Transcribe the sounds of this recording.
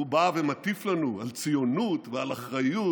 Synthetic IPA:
ubavemat̪iflanualt͡sijonut̪vealaχʁaju

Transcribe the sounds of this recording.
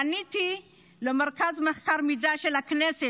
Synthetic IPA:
anit̪i | lemeʁkazmeχkaʁmizaʃelaknese

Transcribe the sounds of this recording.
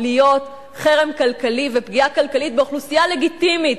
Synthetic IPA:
lijo̞t | χeʁe̞mkalkalivepɡiakalkalit̪̚beoχlusijale̞ɡit̪imit

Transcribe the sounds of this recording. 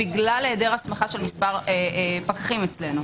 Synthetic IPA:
biɡlaleːdeʁasmaχaʃelmispaʁepakaχimet͡sle̞nu

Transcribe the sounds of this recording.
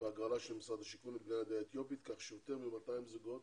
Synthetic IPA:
veaɡalaʃelmisʁad̪aʃikunibnajad̪eet̪jo̞pit̪kaχʃejot̪eʁmimat̪ajimzuɡot̪

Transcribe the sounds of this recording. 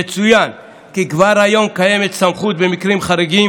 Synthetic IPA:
et͡sujan | kikvaɾajo̞mkaje̞met̪samχut̪̚bemikʁimχaɾeɡim

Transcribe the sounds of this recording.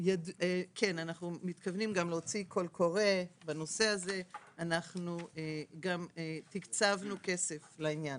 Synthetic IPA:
jadkʰe̞nanaχnumit̪kavnimɡamleot͡sikʰo̞lkʰo̞ʁe̞bano̞se̞aze̞anaχnueɡamet̪ikt͡savnuke̞se̞flainjan

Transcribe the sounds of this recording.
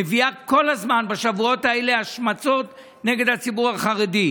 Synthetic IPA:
eviako̞lazmanbaʃavuo̞taele̞aʃmat͡so̞t | ne̞ɡe̞d̪hat͡sibuʁaχaedi

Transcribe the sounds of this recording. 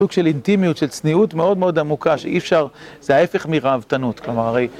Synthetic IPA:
uɡ̥ʃe̞lint̪imijutʃelt͡sniutmeo̞dme̞o̞d̪amukaʃeʔifʃaʁzeaefeχmiʁaavt̪anutklomaʁaʁej

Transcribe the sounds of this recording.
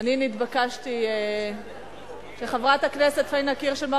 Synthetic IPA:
aninit̪bakaʃt̪ie | ʃeχavʁat̪aknese̞t̪χainakiʁʃelma

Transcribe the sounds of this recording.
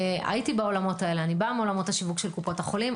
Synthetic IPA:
a̰jitibao̞lamo̞tae̞leanibameo̞lamo̞thaʃivukʃelkupo̞thaχo̞lim

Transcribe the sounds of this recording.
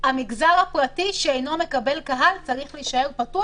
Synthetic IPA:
amiɡzaʁhapʁatiʃeejno̞me̞kabe̞lkaɦalt͡saʁiχliʃae̞ʁpatua

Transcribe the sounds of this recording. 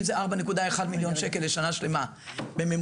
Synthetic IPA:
mzeʔaʁbane̞kud̪aeχad̪miljo̞nʃe̞kelːeʃanaʃle̞ma | bemem

